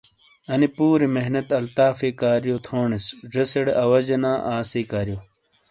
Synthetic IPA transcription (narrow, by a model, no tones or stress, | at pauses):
ɐnipuːɾimeɦnɐt̪ɐlt̪aːfeːkaːɾjot̪ʰoːɳesʐɐseɽeʔɐwɐd͡ʑɐnaːʔaːsiːkaːɾjo